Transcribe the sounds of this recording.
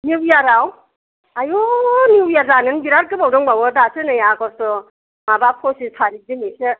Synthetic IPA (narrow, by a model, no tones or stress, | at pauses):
niwjaɾaw | ajoniwjazanɯnbiɾaɾ̚ɡɯbawdɔŋbawɔdasʰɯnajakɔstɔ | mabapʰɔsisʰaɾidinesɯ